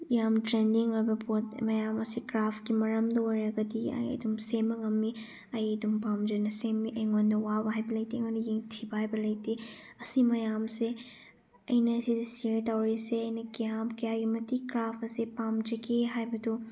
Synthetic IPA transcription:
ijamtɾendiŋojbɐpot̚mɐjamɐsikɾapʰkimɐɾɐmdɐojɾɐɡɐdiɐ̰jɐ̰dumsemɐŋɐmːi | ɐjɐdumpamd͡ʒɐnɐsemːiʔeŋondɐwabɐɦajbɐlɐjteŋɐnɐjeŋtʰibɐɦajbɐlɐjte | ɐsimɐjamse | ɐjnɐːsidɐsieɾtawɾiseɐjnɐkijamkijaɡimɐtikɾapʰɐsepamd͡ʒɐkʰeɦajbɐdu

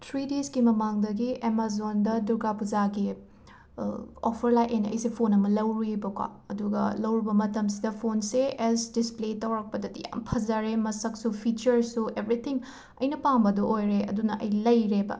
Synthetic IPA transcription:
tʰɾidesɡimɐmaŋdɐɡiemazondɐduɾɡapuzaɡi | opʰɐɾlajʔenɐ̰jsipʰonɐmɐlɐwɾibɐkwa̰ɐduɡɐ̰lɐwɾibɐmɐtɐmsidɐpʰonseɛsdispletɐwɾɐk̚pɐdɐdija̰mpʰɐzɐɾemɐsɐk̚supʰit͡ʃɐɾsuebɾit̪ʰiŋ | ɐjnɐpaŋbɐduʔojɾeɐ̰dunɐʔɐ̰jlɐjɾebɐ̰

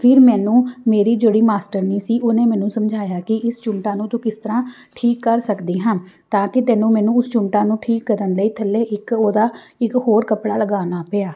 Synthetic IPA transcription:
pʰɪɾmɛːnũːmeːɾiːd͡ʒoɽiːmaːsʈəɾniːsiːʔoːnẽːmɛ̃ːnũːsəmd͡ʒʱaːjaːkɪʔɪst͡ʃʊɳʈãːnũːt̪ʊ̃kɪst̪əɾãː | ʈʰiːkːəɾsəkd̪iːɦãnt̪ãːkɪt̪ɛːnũːmɛ̃ːnũːʊst͡ʃʊɳʈãːnũːʈʰiːkːəɾənləiːt̪ʰəlːeːʔɪkoːd̪aːɪkhoːɾkəpɽaːləɡaːnaːpeaː

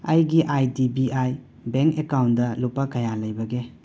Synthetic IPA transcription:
ɐjɡiʔajdibiʔaj | beŋkekawndɐlupːɐkɐjalɐjbɐɡe

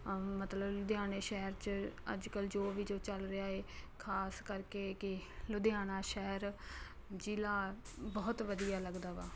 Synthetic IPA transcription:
mət̪ləblʊd̪ejaːneːʃɛːəɾt͡ʃə̰d͡ʒkəld͡ʒoːʋiːd͡ʒoːt͡ʃəlɾeaːeːkʰaːskəɾkeːkɪlʊd̪ejaːnaːʃɛːəɾ | d͡ʒilaː | bɔːt̪ʋəd̪ijaːləɡd̪aːʋaː

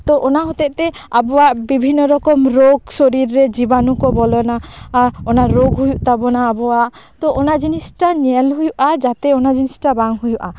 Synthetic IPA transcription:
t̪ɔʔɔnaɦɔt̪ɛʔt̪ɛ | abɔwaʔbibʱinːɔɾɔkɔmɾoɡsoɾiɾːɛd͡ʒibanukɔbɔlɔnaaɔnaɾoɡɦujuʔt̪abɔnaːbɔwaʔ | t̪ɔʔɔnad͡ʒinisʈaɲɛlɦujuʔad͡ʒat̪ɛɔnad͡ʒinisʈabaŋɦujuʔa

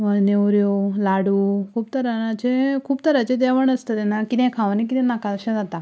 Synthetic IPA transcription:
ənewɾjolaɽukʰuːbt̪əɾaat͡ɕekʰuːbt̪əɾat͡ɕed̪ɛʋəɳəst̪ət̪anakit̪ɛ̃kʰãʋanik̬it̪ɛ̃nakat̪əɕãd͡zat̪a

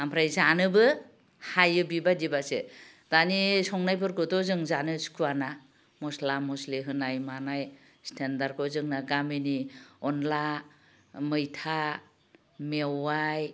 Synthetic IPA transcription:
ampʰɾajzanɯbɯ | hajɯbibadibasḛ | d̥anisɔŋnajpʰɯɾɡɔtɔzɯŋzanɯskʰuana | mɔslamɔsleɦɯnajmanaj | stʰendaɾ̚kʰɔzɯŋnaɡaminiɔnla | mɯjtʰa | mewaj

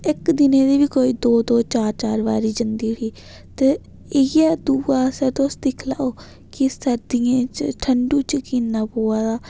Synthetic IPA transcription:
ɪkd̪ɪneːd̪iːʋiːkoːiːd̪oːd̪oːt͡ʃaːɾt͡ʃaːɾʋa̰ːɾiːd͡ʒənd̪iːɾiː | t̪eː | ɪjɛːd̪uːaːsɛːt̪oːsd̪ɪkʰlaːoː | kɪsəɾd̪iːãːt͡ʃʈʰəɳɖuːt͡ʃəkiːnaːpoːaːd̪aː

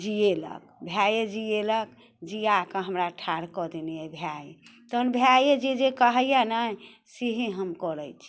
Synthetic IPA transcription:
d͡ʒielə̰k̚bʱjajed͡ʒielək | d͡ʒiakəɦəmɾaʈʰaɾkɔd̪iniɛbʱjajet̪ɔɦnbʱjajed͡ʒed͡ʒekəɦəjjana | siɦiɦəmkɔɾəjt͡ʃʰi̥

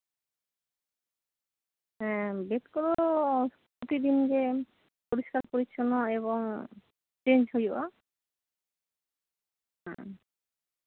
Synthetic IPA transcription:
ɦɛ̃bet̪koɾoppɾot̪id̪inke | poɾiʃkaɾpoɾit͡ɕʰonoeβoŋ | t͡ɕend͡ʑɦoja̰ | ɦɛ̰̃

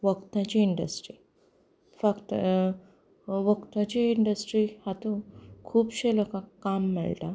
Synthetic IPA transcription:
ʋəkt̪ãt͡ɕiːɳɖə̰sʈɾi | fakʈ | ʋəkt̪ãt͡ɕiːɳɖəsʈɾihat̪okʰuːbɕelokãkamːɛ̰ɭt̪a

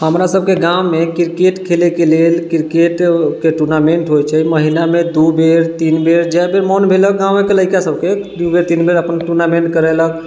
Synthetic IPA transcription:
ɦəmɾasəb̚ʱkeɡawmekiɾkeʈkʰelekelelkiɾkeʈkeʈuɾnameɳʈɦojt͡ʃʰɛməɦinamed̪ubeɾt̪inbeɾd͡ʒɛbeɾmɔnbʱelək̚ɡãwmekeləɪkasəb̚ʱked̪ubeɾt̪inbeɾəpənʈuɾnameɳʈkəɾɛlək

